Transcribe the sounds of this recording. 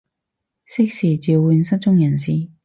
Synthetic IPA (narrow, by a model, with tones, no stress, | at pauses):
sɪ˥k̚siː˨˩t͡si˨˧wwu˧nsɐ˥t͡sʊ˥ŋjɐ˨˩nsiː˨˩